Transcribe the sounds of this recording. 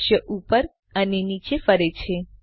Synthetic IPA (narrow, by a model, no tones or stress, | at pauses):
ʃjəʔupəɾ | ənenit͡ʃefəɾet͡ʃʰe